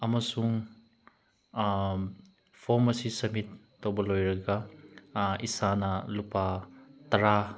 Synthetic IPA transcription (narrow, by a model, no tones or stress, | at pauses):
ɐmɐsuŋ | pʰoɾmɐsisɐmitː | owbɐlojɾɐɡɐ | isanɐlupatɐɾa